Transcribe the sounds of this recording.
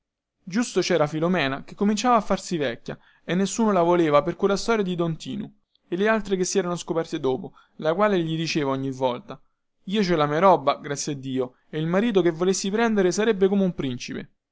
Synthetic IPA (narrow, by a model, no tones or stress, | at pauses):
d͡ʒust̪ot͡ʃɛːɾafilomɛːnakekːomint͡ʃaːvaːfːarsivɛkʲːa̰ | enːesːuːnolavoleːvaperkwelːast̪ɔːɾjad̪id̪ɔnt̪ḭːnu | elealt̪ɾekesːiɛːɾanoskopɛrt̪ed̪oːpo | lakwaːleʎid̪it͡ʃeːvaɔɲːivːɔlt̪a | iːot͡ʃɛlamieɾɔbːaɡɾat̪sːjiad̪ːiːo | eilmaɾiːt̪̬okevːolesːipɾɛnd̪eɾesaɾebːekomeumpɾint͡ʃipḛ